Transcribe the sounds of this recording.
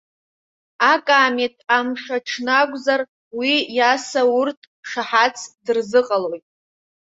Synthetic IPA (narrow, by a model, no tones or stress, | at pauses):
akʼaːmetʰamʂaʈ͡ʂʰnaɡʷzar | wijasaʊrtʰ | ʂaħat͡sʰdɨrzɨqʼalo̞jtʼ